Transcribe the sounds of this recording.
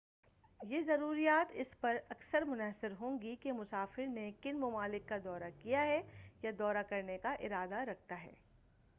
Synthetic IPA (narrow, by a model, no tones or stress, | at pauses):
jeːzɐɾuːɾijaːt̪ɪspɐɾɐksəɾmʊnaːsɪɾɦõːŋɡikemʊsaːfɪɾnekɪnmʊmaːlɪkːad̪ɔːɾakijaɦɛjad̪ɔːɾakɐɾnekaʔɪɾaːd̪aɾɐk̚ʰt̪aɦɛ̰ː